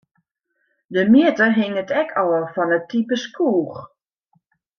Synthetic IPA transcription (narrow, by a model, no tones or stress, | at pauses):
dəmiətəɦɪŋətɛkʰɔwəfɔnətːipəskʰuːx